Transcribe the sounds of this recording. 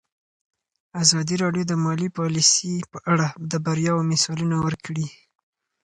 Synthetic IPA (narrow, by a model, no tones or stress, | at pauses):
azɑd̪iɾɑɖjod̪əmɑlipɑlisipəʔaɽad̪əbaɾjɑwomɪsɑlunawəɾkɽi